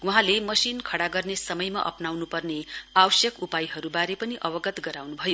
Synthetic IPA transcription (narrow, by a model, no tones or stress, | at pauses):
uɦãlemʌsinkʰʌɽaɡʌrnesʌmʌjma̰ʔʌ̰pnawnupʌrneawʌsjʌkupajɦʌɾubaɾepʌniʔʌbʌɡʌt̪ɡʌɾawnubʱʌjo